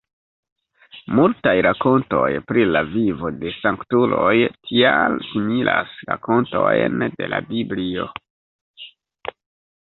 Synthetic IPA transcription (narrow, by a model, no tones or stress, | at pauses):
multajɾako̞nto̞jpɾilavivode̞saŋktulo̞jtʰialsimilʔasɾako̞nto̞jnde̞labiblio̞